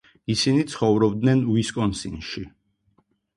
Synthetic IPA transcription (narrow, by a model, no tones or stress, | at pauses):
isinit̪sʰχɔvɾɔb̚d̪nɛnwiskʼɔnsinʃi